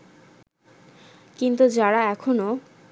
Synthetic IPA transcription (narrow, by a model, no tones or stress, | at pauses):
kint̪ud͡ʑaɽaɛkʰono